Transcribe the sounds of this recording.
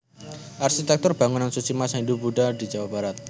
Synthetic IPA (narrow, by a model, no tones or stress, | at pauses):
ʔarʃit̪ɛk̚t̪ʊrb̥a̤ŋunansut͡ʃimasaind̪ubuɖad̪i̤d͡ʒawab̥aɾat̪̚